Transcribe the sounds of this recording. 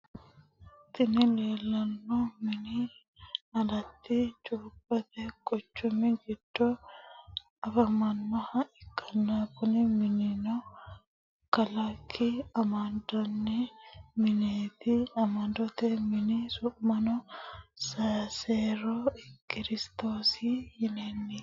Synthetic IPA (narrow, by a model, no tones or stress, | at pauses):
t̪ʼɪnɪleːlːɐnːomɪnɪ | ɐdɐt̪ːɪt͡ʃʼuːpʼːɐt̪ɛkʼɔt͡ʃːʊmɪɡɪd̪̥ːo | ɐfɐmɐnːɐhɐʔɪkʼʰːɐnːakʊnɪmɪnɪnɔ | kɐlɐkʰːiɐmɐnd̪ɔnːɛmɪneːt̪ɪɐmɐnd̪ɔt̪ɛmɪnɪsʊmɐnɔsɐseːɾokɪɾɪst̪oːsijɪneːnːɪ